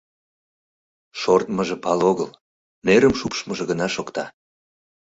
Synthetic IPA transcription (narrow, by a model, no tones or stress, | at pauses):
ʃort̪məʒĕpɑloɣəl | neɾəmʃupʃməʒĕɣənɑʃokt̪ɑ